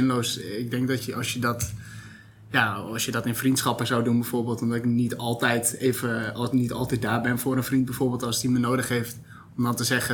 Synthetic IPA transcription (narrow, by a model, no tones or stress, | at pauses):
ɪnlowsɪɡ̚dɪŋk̚dɔtjəɔsjədɔt | jaɔsjədɔtɪnfrintsχɔpəzawdunbɛjfoːɹbeːlˠtɔmdɔtɪknitɔlˠtɛjteːvənitɔlˠtɛt̚daːbɪnfoːɾənfrint̚bɛjfoːrbeːlˠtɔlˠsdimənoːdəxheːft | ɔmdɔntəsɛɣə